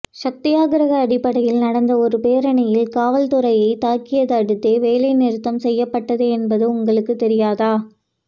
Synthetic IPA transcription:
ʂɐk̚t̪ɪjaːɣɐɾɐɣɐːɽɪpːɐɽɐjɪlnɐɽɐnd̪ɐɔɾɯpeːɾɐɳɐjɪlkaːʋɐlt̪ʊɾɐjɐɪt̪aːkɪjɐðɐɐɽɯt̪ːeːʋeːlɐɪnɪɾɯt̪ːɐmsɛjːɐpːɐʈːɐðeɛnbɐðɯʊŋɡɐɭɯkːɯt̪ːɛɾɪjaːðaː

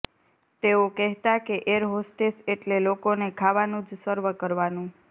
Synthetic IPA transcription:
t̪eokɛɦt̪akeʔeɾɦosʈeseʈlelokonekʰaʋanũd͡ʒsəɾʋəkəɾʋanũ

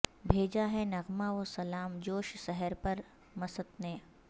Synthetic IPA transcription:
bʱeːd͡ʒaɦɛnɐɣmaoːsɐlaːmd͡ʒoːʃsɛɦəɾpɐɾ | mɐsət̪neː

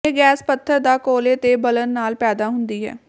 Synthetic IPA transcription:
eːɡɛːspət̪ʰːəɾd̪aːkoːleːt̪eːbələnːaːlpɛːd̪aːɦʊnd̪iːɦɛ̰ː

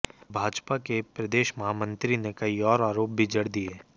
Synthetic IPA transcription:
bʱaːd͡ʒpakepɾɐd̪eːʃmɐɦaːmə̃nt̪ɾinekɐiɔːɾaːɾoːp̚bʱid͡ʒɐɽd̪ieː

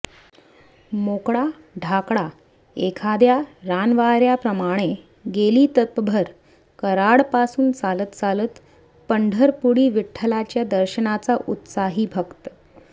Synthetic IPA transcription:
mokɽa | ɖʱakɽa | ekʰad̪jaɾanʋaɾjapɾəmaɽ̃e | ɡeliːt̪ət̪̚pəbʱəɾ | kəɾaɽpasuːnt͡salət̪d͡zalət̪ | pəɳɖʱəɾpuɽiːʋiʈʰːəlat͡ɕjad̪əɾɕənat͡saʔut̪saɦiːbʱəkt̪ə

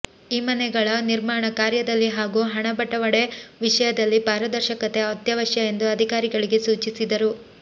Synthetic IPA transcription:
iːmɐnɛɡɐɭɐniɾmaːɳɐkaːɾjɐd̪ɐlːiɦaːɡuːɦɐɳɐbɐʈːɐʋɐɽe̞ʋiʂɐjɐd̪ɐlːipaːɾɐd̪ɐɾʃɐkɐt̪e̞ɐt̪jɐʋɐʃjɐe̞nd̪uɐd̪ʱikaːɾiɡɐɭiɡe̞suːt͡ʃisid̪ɐɾu

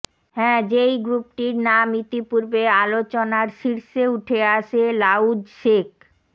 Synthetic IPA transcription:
hɛ̃ːd͡ʑejɡɾup̚ʈiɾnamit̪ipuɾbealot͡ɕonaɾʃiɾʃeuʈʰeaʃelawd͡ʑʃek

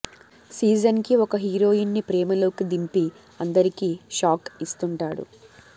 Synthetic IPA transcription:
siːd͡ʒɐnkiɔkɐɦiːɾo̞ːjinːipɾɛːmɐlo̞ːkid̪impi | ɐnd̪ɐɾikiːʃaːkist̪uɳʈaːɽṵ

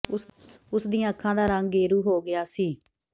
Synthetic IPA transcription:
ʊsd̪ĩːãːəkʰːãːd̪aːɾə̃ŋɡɡeːɾuːɦoːɡɪjaːsiː

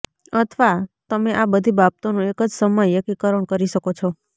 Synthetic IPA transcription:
ət̪ʰʋat̪əmeʔabəd̪ʱibab̚t̪onũekəd͡ʒsəməjəkikəɾəɳ̃kəɾiʃəkot͡ʃʰɔ

